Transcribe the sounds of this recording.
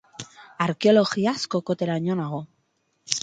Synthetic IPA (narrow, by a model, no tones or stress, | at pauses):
aɾkeoloɣiaskokot̪eɾaɲonaɣo